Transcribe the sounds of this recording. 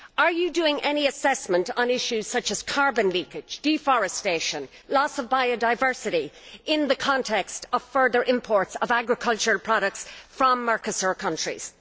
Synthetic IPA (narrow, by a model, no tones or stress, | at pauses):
ə˞jɨdʉɪ̃ŋʔɛniɨsɛsmə̃ntn̩ɪʃʉz̥sʌt͡ʃəz̥kʰɑɹbə̃nlikɪ̥d͡ʒd̥ifɔɹɨsteɪʃə̃n | lɔsʌvbaɪodaɪvɜ˞sɨɾiɪ̃nðəkʰɑ̃ntʰɛkstəv̥fɜ˞ðə˞ʔɪ̃mpʰɔɹtsəvaɡɹɨkʰʌlˠt͡ʃəɹəlˠpʰɹ̥ɑɾək̚tsfɹə̃mːɑɹkəsə˞kʰʌ̃nt͡ʃɹ̥ḭz̥